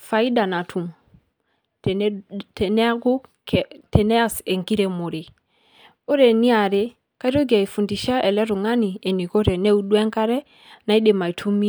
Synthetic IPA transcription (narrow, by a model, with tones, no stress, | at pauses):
fa˨i˦da˨na˨tʰu˨m | tne˦a˦ɡu˦kte˨ne˦a˦se˨ŋki˦ɾe˨mo˨ɾi˨ | o˦ɾe˨ni˦a˨ɾe˦ | ka˦ɾo˦ɡi˨a˨i˨fu˨ndi˨ʃa˦ʔe˨le˦ɾu˨ŋa˦ni˨e˨ni˨ko˦ɾe˨ne˦u˨ɗwe˦ŋka˦ɾe˦ | na˨i˦de˨ma˨i˨tʰu˦mi˦